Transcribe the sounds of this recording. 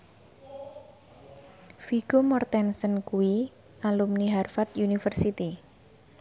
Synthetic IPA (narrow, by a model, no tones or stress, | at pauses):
fiɡ̥omɔrt̪ɛnsənkuwi | ʔalumniɦarfat̪junifərsit̪i